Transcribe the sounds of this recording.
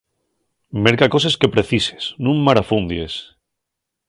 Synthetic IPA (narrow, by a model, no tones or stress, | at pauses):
me̞ɾkako̞s̬eske̞pɾeθise̥snũŋmaɾafund̪jes